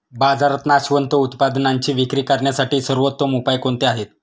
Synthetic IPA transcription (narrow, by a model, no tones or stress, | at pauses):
bad͡zaɾət̪naɕʋənt̪əut̪pad̪naɲt͡ɕiːʋikɾiːkaɾɳjasaʈiːsəɾʋət̪ːʋəmupajkoɳt̪eaɦet̪